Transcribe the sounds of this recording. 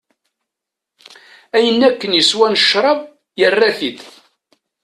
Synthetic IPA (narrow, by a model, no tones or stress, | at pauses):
æjənːækːənjəswænəʃɾˤɑv | jərːæθið